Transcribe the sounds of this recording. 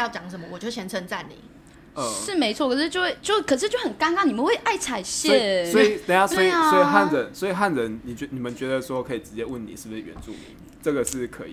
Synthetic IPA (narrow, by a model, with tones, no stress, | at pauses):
jɑ˥˩ʊt͡ɕjɑ˨˩ŋʂ̬ə˧˦mə˧wɔ˨˩t͡ɕjɕjɛ˧˥nt͡sʰə˧˥nt͡sa˥˩nḭ˨˩˦ | ə˥˩ʂɻ̩˥˩me˧˥ɪt͡sʰwɔ˥˩kʰɤ˨˩ʂɻ̩˥˩jo˥˧ʊwe˥˧˩ɪt͡ɕjo˥˧ʊ˥˩kʰɤ˨˩ʂɻ̩˥˧t͡ɕjo˥˩xə˨˩nka˥nna˥˩ŋni˨˩mə˦we˥˩ɪʔa˥˩ɪt͡sʰa˨˩ɪɕjɛ˧˥˨swɔ˧˦˥i˨t̪e˥˩a˨˩stw̪ɔ˦˥i˨˧˨sɔ˦˥i˨ɦa˥˩nt͡sə˨˦swɔ˧˥i˨˩ɦa˥˩nɻə˧˦nni˨˩t͡ɕɛ˧ni˨˩mə˨˦nt͡ɕɥɛ˧˥d̪ə˧˩ʂɔ˥˧kʰɤ˧i˨˩ʈ͡ʂɻ̩˧˥t͡ɕjɛ˧wə˥˩ni˨˩ʂɻ̩˥˩bu˨ʂɻ̩˨˩ɥɛ̰˧˦nt͡sṵ˥˩mḭ˨˦i˨˩ʈ͡ʂə˥˩ɡə˩ʂɻ̩˥˩kʰə̰˧˦˥ḭ˨